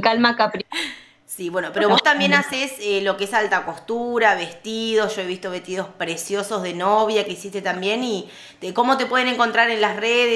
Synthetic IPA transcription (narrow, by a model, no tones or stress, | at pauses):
kalmakapɾ | siβwe̞nopeɾo̞βo̞st̪ambje̞naseselo̞keesalt̪ako̞st̪uɾaβe̞st̪iðo̞sʒ̥o̞e̞βist̪o̞βe̞ht̪iðo̞spɾe̞sjo̞so̞zðe̞noβjakeisist̪et̪ambje̞ni | t̪eko̞mo̞t̪e̞pwe̞ð̞ene̞ŋko̞nt̪ɾaɾe̞nlasreðe